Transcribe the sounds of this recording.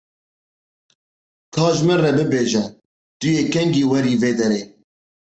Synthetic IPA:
kʰɑːʒmɪrɛbɨbeːʒɛ | t̪ʊjeːkɛŋɡiːwɛɾiːveːd̪ɛɾeː

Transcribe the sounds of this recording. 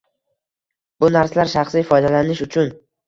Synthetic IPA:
bʊnaɾsalaɾʃaχsijfɒjd̪alanɪʃʊt͡ʃʰʊn

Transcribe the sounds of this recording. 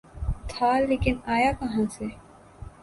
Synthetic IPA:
t̪ʰaleːkɪnaːjakɐɦãse

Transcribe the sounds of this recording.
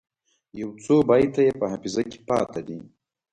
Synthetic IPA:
jawt͡sobajt̪ajepɐɦapizakʲe̥pɑ̰ːt̪ad̪i

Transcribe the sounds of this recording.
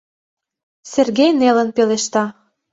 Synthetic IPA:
serɣejnelə̆npeleʃt̪ɑ

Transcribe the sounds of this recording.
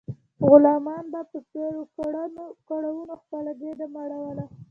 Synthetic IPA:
ɣʊlɑmɑnbapəseɾokaɽanokaɽawunoxkaɽaɡed̪amaɽawəla

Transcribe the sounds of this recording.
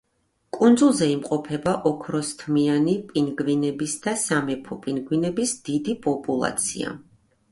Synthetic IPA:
kʼund̪zulˠzɛimqʼɔpʰɛbaʔɔkʰɾɔst̪ʰmianipʼinɡvinɛbisd̪asamɛpʰɔpʼinɡwinɛbisd̪̥id̪ipʼɔpʼulˠa̰t̪sʰḭa̰

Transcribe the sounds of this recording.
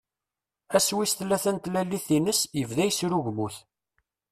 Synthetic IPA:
æswisθlːæθænt̪lælːiθinəsjəvðæjsɾuʝmuθ

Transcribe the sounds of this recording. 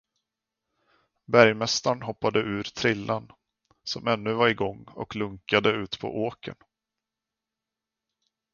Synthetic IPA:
bæɾjmɛst̪aɳɦɔpːad̪əʔʉ̟ːɾt̪ʰɾɪlːan | sɔmɛnːɵvaɾɪɡɔŋːɔ̰klɵŋkad̪əʉ̟ːt̪pʰɔ̰ʔoːkʰə̰n

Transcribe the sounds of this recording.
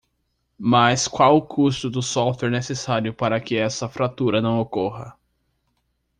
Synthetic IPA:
mɐskwawʊkʰust̪ʊd̪ʊsɔft̪weɾnesesaɾjʊpaɾɐkɪɛsɐfɾat̪uɾɐnɐ̃w̃okoɦɐ

